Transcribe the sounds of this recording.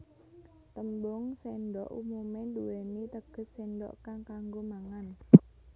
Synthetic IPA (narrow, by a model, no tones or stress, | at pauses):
t̪əmbʊŋsenɖɔ̰ʔumumenduwenit̪əɡ̥ə̤sːenɖɔ̰ʔkaŋkaŋɡomaŋan